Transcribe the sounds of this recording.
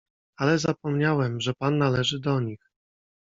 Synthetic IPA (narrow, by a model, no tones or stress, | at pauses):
alɛzapɔmɲawɛmʐɛpanːalɛʐɘd̪ɔɲix